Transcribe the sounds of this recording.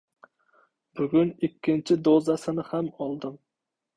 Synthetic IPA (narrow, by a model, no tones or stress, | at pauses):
bʊɡʲʊnɪkʲːɪnt͡ʃʰɪd̪ozasɪnɪhamɒlˠd̪ɪm